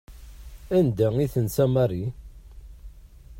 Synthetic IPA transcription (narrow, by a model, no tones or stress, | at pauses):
ænd̪æiθənsæmɑrˤi